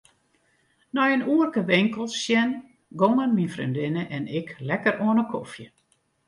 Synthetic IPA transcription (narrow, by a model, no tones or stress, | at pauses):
nɔjənuərkəʋɪŋkəlˠsjɛn | ɡoŋənminfrḭndɪnəʔɛnɪklɛkəroənəkʰofjə